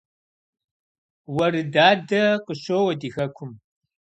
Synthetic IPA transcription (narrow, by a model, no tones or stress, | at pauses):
wɐɾɨdaːdɐqəɕoːwɐdiːxɐkʷʰʊm